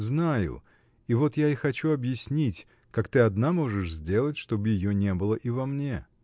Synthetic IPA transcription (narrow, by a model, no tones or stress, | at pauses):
znajʊ̰ | ivo̞t̪jaixɐt͡ɕuɐbjɪsʲnʲitʲ | kakt̪ɨɐd̪namo̞ʐɨʂzʲdʲe̞lˠətʲʂt̪o̞bɨjɪjonʲe̞bɨlˠəʔivɐmnʲe̞